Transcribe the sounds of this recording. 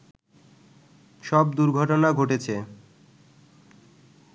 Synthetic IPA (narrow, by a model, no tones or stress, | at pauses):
ʃɔb̚d̪uɾɡʱɔʈonaɡʱoʈet͡ɕʰe